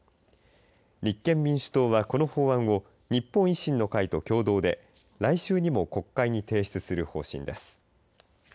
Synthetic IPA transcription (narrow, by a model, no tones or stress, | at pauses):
ɲʲikːẽ̞mmʲĩɰ̃ɕɨ̥t̪o̞ːβako̞no̞ho̞ːβãɰ̃o̞ | ɲ̟ipːõɰ̃iɕĩnːo̞kait̪o̞kʲo̞ːd̪o̞ːd̪e̞̰ | ɾaiɕɨːɲ̟imo̞ko̞kːaiɲ̟it̪e̞ːçi̥t͡sɨsɨɾɯ̟ho̞̰ːɕḭ̃nd̪e̞sɨ̥